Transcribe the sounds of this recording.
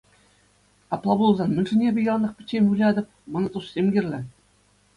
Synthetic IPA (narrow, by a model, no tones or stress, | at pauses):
ɑplˠɑbulˠzɑnmɘ̆nʲʐɘ̆nʲebʲɘ̆jɑnɤ̆χpʲɘ̆t͡ɕʲːemʲulʲɑd̪ʲɤ̆p̚ʲmɤ̆nɤ̆t̪ussʲemɡʲirʲlʲɘ̆